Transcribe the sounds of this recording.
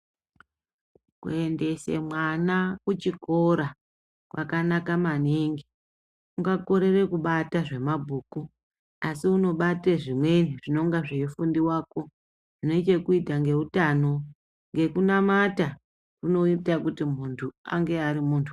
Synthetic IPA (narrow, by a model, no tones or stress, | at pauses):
kue̞nde̞se̞̰mwanakut͡ʃiko̞ɾa | kwa̰kanakamaneŋɡi | uŋɡako̞ɾe̞re̞kuɓataʐe̞mabʱuːku | asiuno̞ɓateʐimwe̞niʐino̞ŋɡaʐeefundiwaːko̞ | ʐino̞it͡ʃekuitaŋɡe̞utano̞ | ŋɡe̞kunamata | kuno̞itakutimuntʰua̰ŋɡe̞aɾimuːntʰu̥